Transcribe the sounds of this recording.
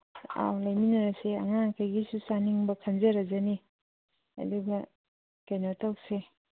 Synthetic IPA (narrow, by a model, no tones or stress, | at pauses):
a̰wlajminɐɾasea̰ŋakʰajɡisusaniŋbɐkʰanzeɾɐzani | ɐ̰duɡɐ | kajnɔtawse